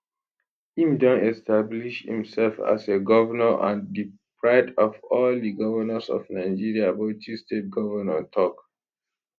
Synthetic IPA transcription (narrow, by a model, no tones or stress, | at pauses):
ĩmdɔ̃nɛstʰabliʃhḭ̃msɛlfa̰seɡɔvənəʔã̰ndipʰɹaɪdɔvɔldiɡɔvənəsɔ̰vnaɪd͡ʒiɹiabotʰistet̚ɡɔvənɛ̰̃ntʰɔk